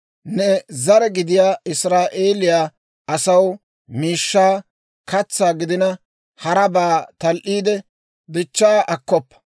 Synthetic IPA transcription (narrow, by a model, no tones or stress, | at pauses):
nɛzɐɾɛɡɪd̪ɪjaːɪsɾaːʔeːlɪjaː | ɐsɐw | miːʃːaː | kɐt͡sːaːɡɪd̪ɪnɐ | hɐɾɐbaːt̪ɐlʔiːd̪ɛ | d̪ɪt͡ʃːaːʔɐkːɔpːɐ̥